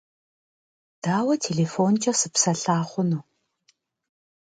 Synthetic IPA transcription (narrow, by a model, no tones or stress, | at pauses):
d̥aːwɐtʰeːɮeːfoːnt͡ʃʼɐsɨpsɐɬaːχʷʊnuː